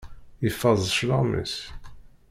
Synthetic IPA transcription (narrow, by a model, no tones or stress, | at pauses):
əfːɑzˤʃləʁmə̰s